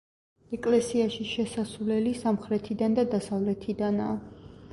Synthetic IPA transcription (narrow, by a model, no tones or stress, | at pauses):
ɛkʼlɛsiaʃiʃɛsasvlɛlisamχɾɛt̪ʰid̪and̪ad̪asavlɛt̪ʰid̪anaː